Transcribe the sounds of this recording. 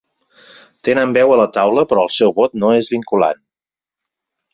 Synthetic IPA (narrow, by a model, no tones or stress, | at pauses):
t̪enəmbɛwələt̪awləpɾɔəlˠsɛwβot̪noezβiŋkula̰n